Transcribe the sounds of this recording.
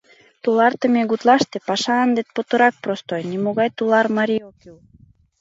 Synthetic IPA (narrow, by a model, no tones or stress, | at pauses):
t̪ulɑrt̪əmeɣut̪lɑʃt̪epɑʃɑɑnd̪et̪̚pot̪ə̆ɾɑk̚prost̪ojnimoɣɑjt̪ulɑrmɑɾʲiokyw